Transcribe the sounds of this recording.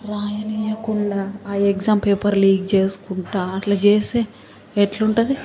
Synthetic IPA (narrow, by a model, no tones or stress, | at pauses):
ɾaːjɐnijɐkuɳɖaːeɡzaːmpeːpɐɾliːɡt͡ʃe̞ːsu̥kuɳʈaːɐʈlaːt͡ʃeːseː | ɛʈluɳʈɐd̪i